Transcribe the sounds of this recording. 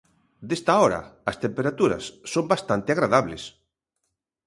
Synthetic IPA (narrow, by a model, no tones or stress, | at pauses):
d̪est̪aɔɾɐ̰ɐst̪empeɾat̪uɾɐ̰sːõmbast̪ant̪ɪaɣɾaðaβlḛs